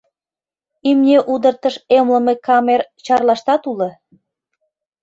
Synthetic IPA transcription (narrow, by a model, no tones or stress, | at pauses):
imnʲeʔud̪ə̆rt̪ə̆ʃemlə̆mekɑmert͡ɕɑrlɑʃt̪ɑt̪ulɤ̆